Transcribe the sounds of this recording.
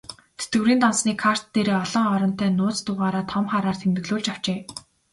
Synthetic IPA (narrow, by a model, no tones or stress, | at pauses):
t̪ʰe̥t̪ɡɘ̆wɾiːnt̪ɔnsniːkʰar̥t̪ːeɾeːɔɮɞ̆ŋɔɾɞ̆n̥t̪æːnʊːt͡st̪ʊːʁaːɾaːt̪ʰɔmχaːɾaːrt̪ʰemt̪ɘ̆ɣɮʊːɮt͡ɕaw̥t͡ɕeː